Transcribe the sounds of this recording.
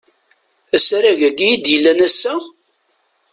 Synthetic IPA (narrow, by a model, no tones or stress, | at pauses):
æsɾæʝæɡijid̪jəlːænæsːæ